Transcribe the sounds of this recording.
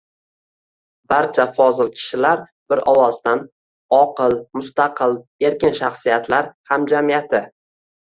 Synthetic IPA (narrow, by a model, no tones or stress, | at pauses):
b̥aɾt͡ʃʰafɒzɪlkʲʰɪ̥ʃɪlaɾ | b̥ɪɾɒwɒst̪an | ɒqɨlmʊst̪aqʰɨle̞ɾkʲɪnʃaχsijat̪ʰlaɾhamd͡ʒamijat̪ʰɪ